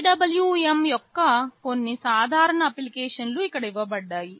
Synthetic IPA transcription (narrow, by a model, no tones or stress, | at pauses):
ɖɐbɐljuːemjɔkːɐkonːisaːd̪ʱaːɾɐɳɐːpilikeːʂɐnluikːɐɽɐiʋɐbɐɖːaːji